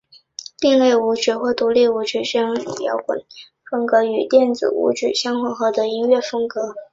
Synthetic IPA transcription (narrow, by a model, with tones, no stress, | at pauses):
t̪i˥˧ŋle˥˩ɪu˧˥ʈ͡ʂy˨˩xwɔ˥˩t̪u˧˥li˥˩u˧˥ʈ͡ʂʰy˨˩˥ʂ̩˥˩jɑ˧˥ŋḭ˨˩ljɑ̰˧˥ʊkwə̰˨˩˦n | fɤ˥ŋkɤ˧˥y˨˩t̪jɛ˥˩nt͡sɹ̩̰˨˩ṵ˧˥ʈ͡ʂy˨˩ɕjɑ˥ŋxwɔ˧˥xɤ˧˥˩d̪ə˧i˥ŋɥɛ˥˩fɤ˥ŋkɤ˧˥